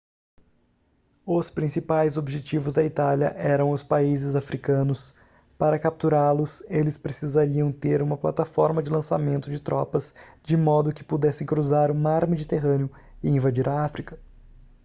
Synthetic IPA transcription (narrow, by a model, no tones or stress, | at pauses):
ʊspɾĩsipajzobiʒet͡ʃivʊzd̪ɐit̪aljɐ̰ʔɛɾɐ̃w̃ʊspaizɪzafɾikɐ̃nʊs | paɾɐkap̚t̪uɾalʊselɪspɾesizaɾiɐ̃w̃t̪eɾũmɐplat̪afɔɾmɐd͡ʒɪlɐ̃samẽnt̪ʊd͡ʒɪt̪ɾʔɔpɐzd͡ʒɪmɔd̪ʊkɪ̥pud̪ɛsẽj̃kɾuzaɾʊmaɾmed͡ʒit̪eɦɐ̃nɪʊ | ɪĩvad͡ʒiɾɐafɾikɐ̥